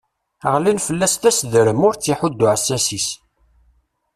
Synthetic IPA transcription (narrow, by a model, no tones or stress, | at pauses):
əʁlinfəlːæst̪æsðɾəmʊɾt͡sːiħʊd̪ːʊʕəsːæsis